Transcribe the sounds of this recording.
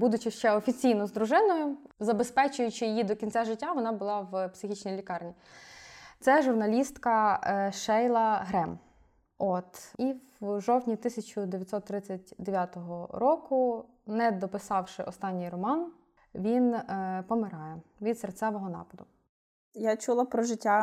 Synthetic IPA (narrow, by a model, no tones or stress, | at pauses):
bud̪ʊt͡ʃɪʃt͡ʃɛɔfʲit͡sʲijnɔzd̪ɾʊʒɪnɔjʊzɐbespɛt͡ʃʊjʊt͡ʃɪjɪjid̪ɔkʲint͡sʲaʒɪtʲːaʋɔnɑbʊlˠɑwpsɪxʲit͡ʃnʲijlʲikɑrnʲi | t̪sɛʒʊrnɐlʲist̪kɐʃɛjlˠɐɦɾɛm | ɔt̪iwʒɔwtʲnʲit̪ɪsʲɐt͡ʃʊd̪eʋʲjɐt̪ʲsɔt̪ːɾɪt͡sʲːɐtʲd̪eʋʲjat̪ɔɦɔɾɔkʊ | nɛd̪ɔpɪsɑwʃɪʔɔst̪ɑnʲːijrɔmɑn | ʋʲinpɔmɪɾɑjɛʋʲid̪sert̪sʲɛʋɔɦɔnɑ̰pɐd̪ʊ | jat͡ʃulˠɐpɾɔʒɪtʲːa